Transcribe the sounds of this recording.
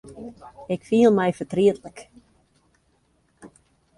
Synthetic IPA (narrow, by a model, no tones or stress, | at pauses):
ɪkfiəlˠmɛjfətriətlək